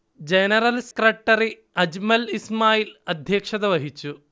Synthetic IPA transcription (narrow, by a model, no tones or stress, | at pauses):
d͡ʒenɐɾɐlse̥kɾɐʈːɐɾi | ɐd͡ʒmɐlismaːjilɐd̪ʱjɐːkʂɐd̪ɐʋɐɦit͡ʃu